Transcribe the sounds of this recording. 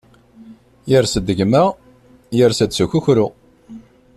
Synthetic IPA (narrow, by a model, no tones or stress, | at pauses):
jəɾsəd̪ːəʝmæ | jəɾsəd̪suçuçɾʊ